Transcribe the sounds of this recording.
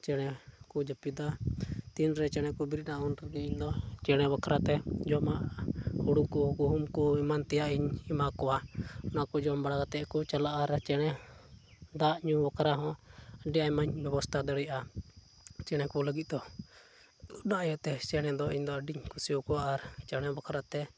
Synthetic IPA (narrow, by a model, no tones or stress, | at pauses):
t͡ʃɛɽ̃ɛkud͡ʒapid̪at̪inɾɛt͡ʃɛɽ̃ɛkubiɾinaunɾɛɡɛiɲd̪ɔt͡ʃɛɽ̃ɛbakɾat̪ɛd͡ʒɔmaʔhuɽukuɡuɦumkuimant̪ɛjaʔiɲimakɔwanakud͡ʒɔmbaɽaɡat̪ɛʔkut͡ʃalaʔaɾt͡ʃɛɽ̃ɛ | d̪aʔɲubakʰaɾaɦɔ̃ɖiaimaɲbɛbɔst̪ʰad̪əɽɛja | t͡ʃɛɽ̃ɛkuɔləɡit̪̚ˀd̪ɔ | unaʔjɔt̪ɛt͡ʃɛɽ̃ɛd̪ɔiɲd̪ɔɖiɲkusiɔkɔwaʔːɾt͡ʃɛɽ̃ɛbakʰaɾat̪ɛ